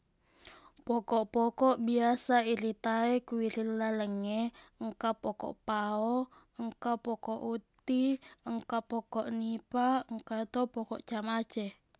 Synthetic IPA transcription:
pɔkɔʔpɔkɔʔbiasaiɾit̪aɛkuiɾillaləŋɛəŋkapɔkɔ̰ʔpaɔ | əŋkapɔkɔʔut̪iəŋkapɔkɔʔnipaŋkat̪opɔkɔʔt͡ʃamat͡ʃɛ

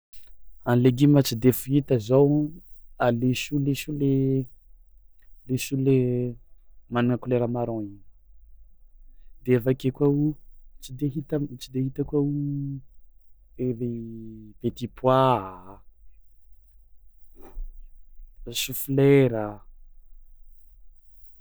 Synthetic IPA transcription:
anleɡimat͡sid̪efuit̪əzaw | aleʃulesule | lesule | maniŋəkuleɾəmaɾɔ̃in | d̪eavakekwaut͡sid̪eɦit̪ət͡sid̪eɦit̪əkwau | eɾev̥et̪ipʰwa | sufileɾə

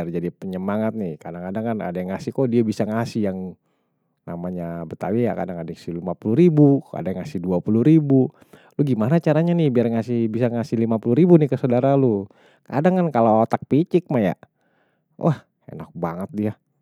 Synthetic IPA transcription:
ard͡ʒadipəɲəmaŋat̪̚nɪhkadaŋkadaŋkana̰dajaŋasɪhkodiabisaŋasɪhjaŋ | namaɲabət̪awija̰ka̰daŋadaasilimapuluɾibuka̰daŋasɪhduapuluɾibu | lʊɡimanat͡ʃaɾaɲanɪhbiarŋasɪhbisaŋasɪlimapuluɾibunɪhkəsodaɾalu | ka̰daŋkankaloot̪ak̚pit͡ʃɪk̚maja̰ | wʔah | ḛnak̚baŋət̪̚dia

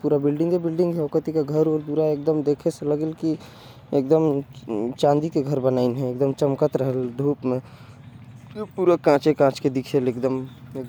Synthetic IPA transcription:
puɾabɪlɖɪ̃ŋɡebilɖɪ̃ŋɡɦɛokət̪ikaɡʱəɾoɾd̪uɾaek̚d̪əmd̪ekʰeseləɡelki | ek̚d̪əmt͡ʃãnd̪ikeɡʱəɾbənaɪnɦɛ̃ek̚d̪əmt͡ʃəmkət̪ɾəɦəld̪ʱuːpmẽ | puːɾəkãt͡ʃekãt͡ʃked̪ikʰelekd̪əme

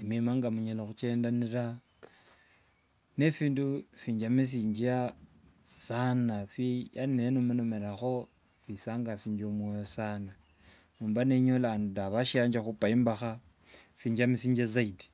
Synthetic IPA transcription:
imimaŋɡamuɲeloxut͡ʃeːndaniɾa | nefiːndufiɲd͡ʒamis̬iɲd͡ʒia | sanafijaninenumunomeɾaxo̞ | fisaŋɡasiːɲd͡ʒomwojosana | nuːmbaneɲolandudaβaʃiaɲd͡ʒaxupaimbaxa | fiːɲd͡ʒamisiːɲd͡ʒez̬aidi̥

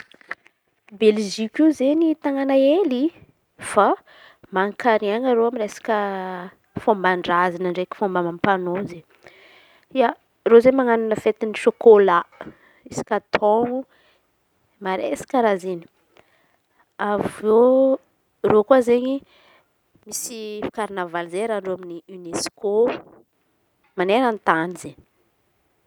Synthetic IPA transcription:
belʒikizeɲit̪aŋanaeli | fa | maŋkaɾiaŋaɾoamiɾesḁkə | fombaɳɖ͡ʐazinəɳɖ͡ʐekʲi̥fombamampanoze | ia | rozemaŋanunəfet̪iniʃokola | isi̥kat̪ʰoŋu | maɾesi̥kaɾazini̥ | avo | rokuəzeɲi | misifḁkaɾinavalzeɾaɳɖ͡ʐoaminiynesko | maneɾant̪anize

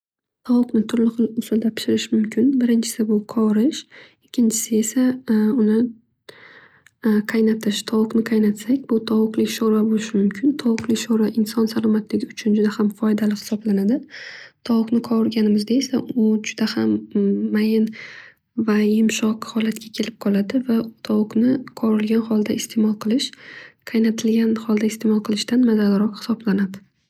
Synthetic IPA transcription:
t̪ʰɒwʊqnɪt̪ʰʊɾlɪχɨlˠʊsɪld̪apʰɪ̥ʃɪɾɪʃmʊmkʲʰɪnbɪɾɪnt͡ʃʰɪ̥sɪbʊqʰɒwɾɪʃ | ɪkʲʰːɪnt͡ʃʰɪ̥sɪe̞saʊnɪ | qʰɑjnat̪ʰɪʃt̪ʰɒwʊqnɪqʰɑjnat̪sakʲbʊt̪ʰɒwʊqlɪkʲʃoɾabolɪʃɪmʊmkʲʰɪnt̪ʰɒwʊqlɪkʲʃoɾaʔɪnsɒnsalˠɒmat̪lɪɡʲɪʊt͡ʃʰʊnd͡ʒʊd̪ahamfɒjd̪alɪhɪ̥sɒblanad̪ɪt̪ʰɒwʊqnɪqʰɒɪɾɡʲanɪmɪzd̪aesaʔʊd͡ʒʊd̪ahamːajɪn | vajɪmʃɒqhɒlat̪kʲakʲʰe̞lɪp̚qʰɒlˠad̪ɪvat̪ʰɒwʊqnɪqʰɒɾɪlɡʲanχɒlˠd̪aɪst̪ʰe̞mɒlˠqʰɨlˠɪʃqʰɑjnat̪ʰɪlɡʲanhɒlˠd̪aɪst̪ʰe̞mɒlˠqʰɨlˠɪʃt̪anmazalɪɾɒqhɪ̥sɒblanad̪ɪ

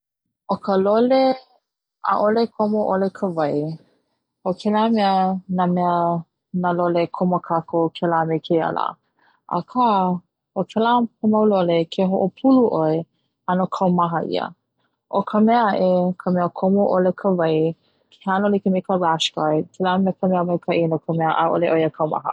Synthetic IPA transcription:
ʔokʰəlole | ʔa̰ʔolekʰomoʔolekʰəvɐj | okʰɛlamɛənamɛə | nalolekʰoməkʰakʰokʰɛlamekʰeja̰la̰ | ʔa̰kʰa | okʰɛlahomɐwlolekʰeɦoʔopʰuluʔoe | anokʰɐwmaɦəʔḭə̰ | ʔokʰəmɛəɐʔekʰəmɛəkʰomoʔolekʰəvɐj | kʰehanolikemekʰəɹaʃkajtʰɛlamɛəkʰəmɛəmɐjkʰaʔinokʰəmɛəʔa̰ʔo̰leʔojəkʰɐwma̰ɦə̰

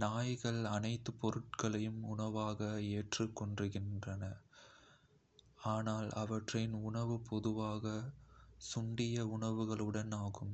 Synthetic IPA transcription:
naːjɣɐɭɐnɐɪt̪ːɯpːɔɾɯʈ̚kɐɭɐjɯmʊɳɐʋaːɣɐeːʈrɯkːɔɳdrɯɣɪndrɐnɐ | aːnaːlɐʋɐʈrɐɪnʊɳɐʋɯpɔðɯʋaːɣɐ | sʊɳɖɪjɐʊɳɐʋɯɣɐɭɯɽɐnaːɣɯm

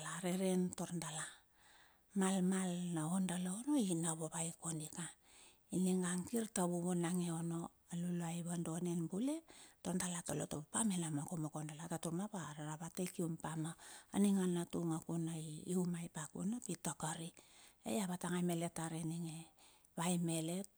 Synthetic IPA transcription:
laɾeɾe̞nto̞ɾndala | malmalnaondaloono̞inaβoβajko̞nika | iniŋɡaŋkiɾtaβuβonaŋeo̞no̞ | alulajβando̞ne̞nbule̞tondalatolotopopamelamakomokondalatatuɾmapaɾaɾaβatejkiumpamaaniŋanːatuŋakunajːumajpakṵnapitokaɾiḛjaβataŋajme̞le̞taɾeniŋe | βajme̞le̞t̚

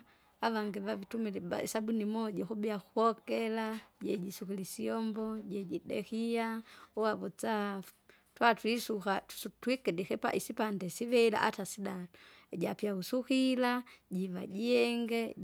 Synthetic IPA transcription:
avaŋɡɛvavitumilia̰sabunimɔɟɔxubɛaxuhɔkɛlaɟɛɟisukilisiɔmbɔɟɛɟidɛ̰xiauavɔt͡sa | twatwisuxatsutwikɛdixɛpa̰ʔisipandɛsivɛila̰ʔatasida | ɟapjausuxilaɟiva̰ɟiɛŋɡɛ

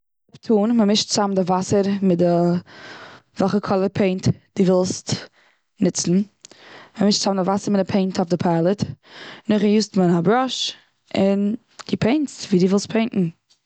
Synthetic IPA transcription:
ʊptʰuːnməmɪʃtt͡samdɪvasəɾmɪdə | vɛχəkʰɔlˠəɾpʰeɪntd̥iːvɪlˠst | nɪt͡sn̩ | məmɪʃtt͡samndɪvasəɾmɪdɪpʰeɪntʰɔfdɪpʰalˠətnʊχjuːstmənabɾɔʃ | ɪn | d̥ɪpʰeɪntsviːduːvɪlˠstpʰeɪnʔn̩

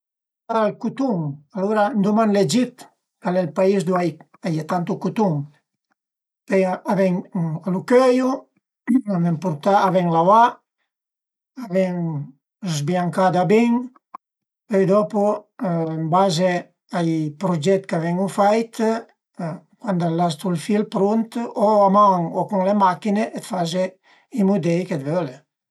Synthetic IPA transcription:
aalkut̪uŋaluɾand̪umanled͡ʒit̪ | alɛlpaizd̪uaj | ajat̪ant̪ukut̪uŋ | pɛjaβɛŋalukøju | aβɛŋpuɾt̪aaβɛŋlawa | aβɛŋ | zbjaŋkad̪abiŋ | pɛjd̪ɔpuembaze | ajpɾod͡ʒɛt̪kavɛŋufajt̪ | kwand̪alast̪ulfilpɾunt̪oamaŋokuŋlemakineʔet̪faze | imud̪ɛjked̪vøle

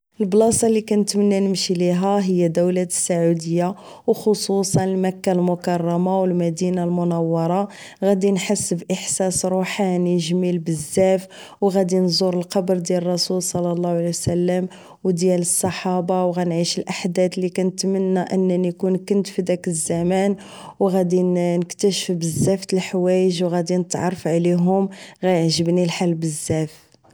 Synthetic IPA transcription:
əlblɑsˤɑlːikænət̪mənːænəmʃiliɦæɦəjːæd̪əwlæəsːaʕud̪əjːa | wxosusˤɑnəlmækːalmʊkɑrˤːɑmawəlmæd̪inalmʊnɑwːɑɾˤɑ | ɣæd̪inħasːəbʔəħsæsɾuħaniʒmilbəzːæf | wɣæd̪inzˤuɾəlqɑbɾd̪jælərˤːɑsulsˤɑlːɑlˤːɑhwʕaliwsælːəm | wd̪jæləsˤːɑħɑbɑwɣænʕiʃəlʔaħd̪æd̪likænət̪mənːæʔənːnikunkʊnt̪fid̪ækəzːæmæn | wɣæd̪inəkt̪æʃəfbəzːæft̪əlħwæjəʒwɣæd̪inət̪ʕɑ̰ɾˤːəfʕliɦʊmɣæjəʕʒəbnilħalbəzːæf

